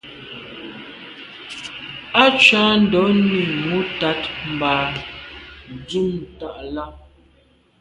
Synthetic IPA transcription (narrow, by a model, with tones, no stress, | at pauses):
a˦t͡ʃa˦n̩˨dɔ˨˦ni˨mu˦ta˨˦tm̩˨baː˨ | d͡zu˦m˨ta˦˨ʔla˦